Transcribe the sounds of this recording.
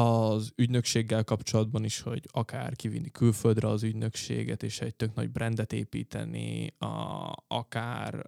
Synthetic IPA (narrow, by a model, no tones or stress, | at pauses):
ɒzyɟnøkʃeːɡːɛlkɒpt͡ʃo̞lɒd̪bɒniʃho̞̰ɟɒka̰ːrkivḭnːikylføld̪rɛɒzyɟnø̞kʃḛːɡɛt̪eːʃɛɟ̚t̪øɡnɒ̰ɟ̚brɛnd̪ɛt̪eːpiːt̪ɛ̰nḭ | ɒ̰kaːr